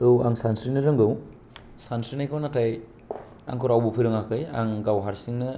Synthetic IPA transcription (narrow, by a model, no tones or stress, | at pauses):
ɯwaŋsansɾinɯɾɯŋɡɯw | sansɾinajkʰɯwnataj | a̰ŋkʰɔɾawbɯpʰɯɾɯŋakʰɯja̰ŋɡawɦaɾsiŋnɯ